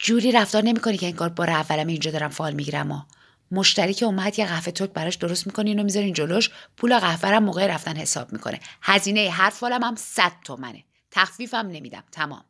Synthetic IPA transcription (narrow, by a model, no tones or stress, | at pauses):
d͡ʒuːɾiːɾæfd̪ɒːɾne̞miːko̞nicʰe̞iŋɡɒːɾbɒːɾeævːælæmiːnd͡ʒɒd̪ɒːɾæmfɒːlmiɟiɾæmɒ | mo̞ʃt̪æɾicʰeumæd̪jeɣæhfe̞t̪ʰoc̚bæɾɒːʃd̪o̞ɾost̪mikʰo̞ninomizɒɾind͡ʒo̞loʃpʰuːlæɣæhvæɾæmːoːɣeɾæft̪ænhe̞sɒ̰ːb̥̚mikʰo̞̰nʔḛhæziːne̞jeɦæɾfɒːlæmæmsæd̪̥̚t̪ʰomæ̰nḛ | t̪ʰæxfiːfæmne̞mid̪æ̰mt̪ʰæmɒ̰ːm